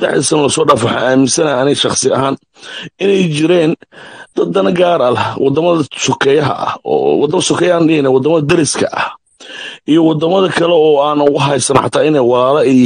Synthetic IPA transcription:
d̪ɛ̰ħɐsɐnɐlɐsɔːɖaːfaħa̰aːmɪnsɐnɐɐnɛʃɑχsɪɐ̰ɦaːn | ɪnɛjt͡ʃɪɾɛːnd̪̥ɐd̪ɐnɐɡaːɾɐlɐhwɑd̪ɐmɐðɐsʊkʰɛjɐɦɐ̰ʔɐ̰hɔ̰ːwd̪ɐmsʊkʰɛjaːnɖɪhɪnɛwɑd̪ɐmɐðɐd̪ɐɾɪskʰɐ̰ʔɐ̰h | ʔijɔwɑd̪ɐmɐðɐkʰɐlɛɔːaːnɣʊɦɛjsɐnħɑ̰t̪ʰaːɪnɛjwɑlaːlɐɛ

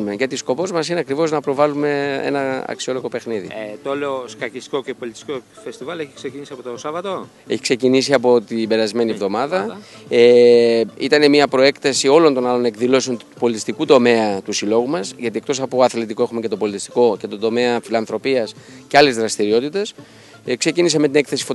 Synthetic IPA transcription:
meʝɐt̪isko̞po̞zmɐs̬ineɐkɾivo̞znɐpɾo̞vɐlume̞e̞̰nɐɐ̰ksio̞lo̞ɣo̞pe̞xniðḭt̪ooleoskɐcist̪i̥kocepolit̪i̥st̪i̥kofest̪ivɐleçi̥ksecinisiɐpot̪osɐvɐt̪o | eçi̥kse̞cinisiɐpo̞t̪ibe̞ɾɐzme̞nievðo̞mɐðɐe | it̪ɐne̞miɐpɾo̞e̞kt̪ɐsio̞lo̞nt̪o̞nɐlo̞ne̞kðilo̞s̬o̞nt̪u̥po̞lit̪ist̪ikut̪o̞me̞ɐt̪usilo̞ɣumɐsʝɐt̪ie̞k̚t̪o̞sɐpo̞ɐθlet̪iko̞exume̞ce̞t̪o̞po̞lit̪ist̪i̥ko̞ce̞t̪o̞d̪o̞me̞ɐfilɐnθɾo̞piɐsceɐle̞zðɾɐst̪iɾio̞t̪it̪e̞s | kse̞cinis̬ɐme̞t̪ine̞kθe̞si̥fo

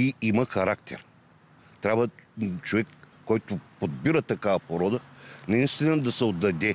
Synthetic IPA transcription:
iimɐxɐɾakt̪ʰɛ̰ɾ | t̪ɾʲabvət͡ʃovɛkː | ɔjt̪ʊpod̪biɾət̪ɐkavɐpoɾɔd̪ənɐist̪inɐd̪ɐsɛod̪ːɐd̪ɛ

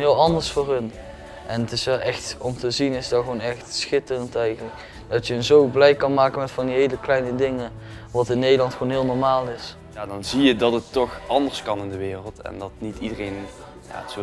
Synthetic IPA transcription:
ɦɪːlˠɑndəɹsfʊːɹɦən | ʔɛnətɪsʋɛlˠʔɛxtɔmtəzinɪsdɑɣəʋonɛxtsxɪtərəntɛjɣənlək | dɑtjəənzowblɛjkɑnmaːkənmɛtfɑndiɦejləklɛjnədɪŋə | ʋɑtɪnːejdəlɑntxownɦɪːlˠnɔɹmaːlˠɪs | jaːdɑnzijədɑtətːɔxɑndəɹskɑnɪndəʋɪːrəlˠtɛ̰ndɑtnitidərejn | ja̰ːso

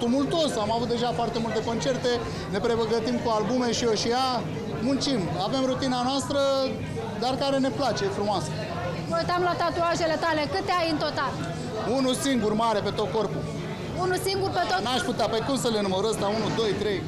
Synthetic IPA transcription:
t̪umult̪o̞samavut̪̚d̪e̞ʒafoart̪e̞mult̪e̞ko̞nt͡ʃe̞rt̪e̞ | ne̞pɾe̞bəɡət̪imkualbume̞ʃioʃija | munt͡ʃimave̞mɾut̪inanoast̪ɾə | d̪arkaɾe̞ne̞plat͡ʃe̞jefɾumoasə̥ | məwujt̪amlat̪at̪uaʒe̞le̞t̪ale̞kɨt̪eajɨnt̪o̞t̪al | unusiŋɡurmaɾe̞pe̞t̪o̞t̪̚ko̞rpu | unusiŋɡurpet̪onaʃput̪eapəjkumsəle̞numəɾəsd̪aunud̪o̞jt̪ɾe̞j

